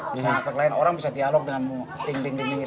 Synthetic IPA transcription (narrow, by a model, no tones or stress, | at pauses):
bisaŋakaklaɪnoɾaŋbisadialɔk̚dəŋanmud̪iŋdiŋdiŋdiŋ